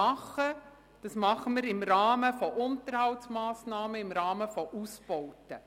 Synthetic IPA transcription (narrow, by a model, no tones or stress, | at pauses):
ɑχə | d̥ɑsmɑχəməɾɪmɾɑːməfɔʔʊntərhɑltsmɑːsnɑːməɪmɾɑːməfɔʔuspɔwtə